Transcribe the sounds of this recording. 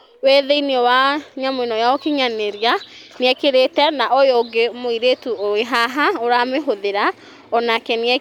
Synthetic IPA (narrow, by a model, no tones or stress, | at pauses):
weðeineɔwaɲamoinɔjaɔkeɲaneɾjaniɛkeɾetɛnaʔojoɡemoiɾetuoeɦaɦaoɾameɦoðeɾa | ɔnakɛniɛ